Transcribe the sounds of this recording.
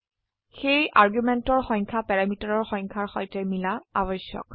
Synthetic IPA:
xejʔaɹɡumɛntɔɹxɔɲkʰapɛɹamitaɹɔɹxɔŋkʰaɹxɔjtɛmilaa̰bɔsjɔ̰k

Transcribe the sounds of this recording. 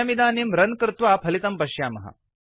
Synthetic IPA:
ɐmid̪aːnimɾɐnkɾɨt̪ʋaːpʰɐlit̪ɐmpɐɕjaːmɐɦɐ̰

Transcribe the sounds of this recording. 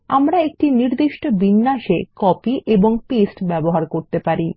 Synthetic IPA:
a̰mɾaek̚ʈiniɾd̪iʃʈobinːaʃekɔpiʔeboŋpesʈbɛboɦaɾkoɾt̪epaɾi

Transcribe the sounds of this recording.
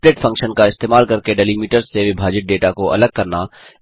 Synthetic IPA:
ɾeːʈfʰɐ̃ŋkʃənkaɪst̪eːmaːlkɐɾkeɖɐliːmiːʈəɾzːeʋibʱaːd͡ʒɪʈ̚ɖeːʈakoʔɐ̰ləɡ̚kɐɾna

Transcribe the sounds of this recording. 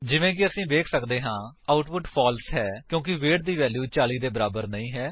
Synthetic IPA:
d͡ʒɪʋẽːkɪəsĩːbeːkʰsəkd̪eːɦãːaːʊʈpʊʈpʰɔːlsɦɛːkjõːkɪʋeːʈ̚d̪iːʋɛːljuːt͡ʃaːliːd̪eːbəɾaːbəɾnəĩːɦɛː

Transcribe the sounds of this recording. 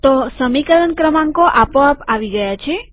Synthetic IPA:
t̪osəmikələnkɾəmãŋkoʔapoapaʋiɡəjat͡ʃʰe

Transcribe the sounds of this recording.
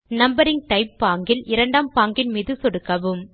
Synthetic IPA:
nɐmbɐɾɪŋɡ̚ʈɐɪpːaːŋɡɪlɪɾɐɳɖaːmpaːŋɡɪnmiːðɯsɔɽɯkːɐʋɯm

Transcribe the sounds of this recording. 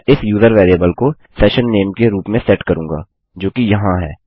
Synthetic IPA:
ɪsjuːzəɾʋeːɾiebəlko | sɛːʃənːeːmkeɾuːpmẽsɛʈkɐɾũːŋɡa̰ː | d͡ʒoːkijɐɦãɦɛ̰ː

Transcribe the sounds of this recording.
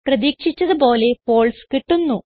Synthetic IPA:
prɐðiːkʂit͡ɕːɐðɨbo̞ːle̞po̞ːɭskiʈːunːu

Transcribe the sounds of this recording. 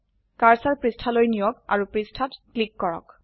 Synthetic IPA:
kaɹsaɹpɹistʰalojnijɔka̰ɹupɹistʰatklikːɔɹɔ̰k

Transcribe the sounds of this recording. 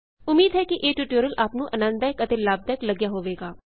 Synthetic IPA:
ʊmiːd̪ɦɛːkɪʔeːʈuːʈoːɾəlʔaːpnũːʔənə̃nd̪aɪkət̪eːlaːb̚d̪aɪkləɡjaːɦoːʋeːɡaː

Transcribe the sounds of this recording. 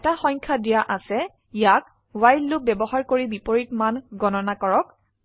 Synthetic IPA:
ɛtaxɔ̃jɲkʰadijaʔasɛ | ijak̚ | wajlːʊbɛbɔɦaɹkoɹibipoɹitmanɡɔnɔnakɔɹɔk̚

